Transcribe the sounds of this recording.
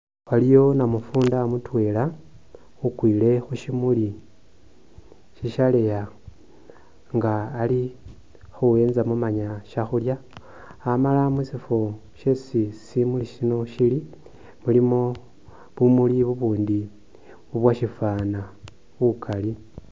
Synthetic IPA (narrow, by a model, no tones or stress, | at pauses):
walijo̞namufuːndamutwe̞ːla | ukwiːle̞xuʃimuli | ʃiʃale̞ja | ŋɡaːli | xuwe̞ːnzamumaɲaʃaxuljaː | malamusifo | ʃesisimuliʃino̞ʃili | mulimo̞ | βumuliβuβuːndi | βuβwaʃifaːna | βukʰali